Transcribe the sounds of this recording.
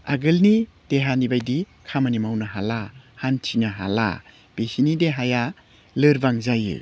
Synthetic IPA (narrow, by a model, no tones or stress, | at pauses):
a̰ɡɯlni | d̥eɦanibajdi | kʰamanimawnaɦalahantʰiŋaɦa̰la̰ | b̥esinideɦaja | lɯɾbaŋzajɯ̰